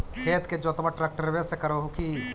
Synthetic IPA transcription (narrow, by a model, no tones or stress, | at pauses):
kʰeːt̪ked͡ʒoːt̪baʈɾɛːk̚ʈəɾʋesekəɾoɦuki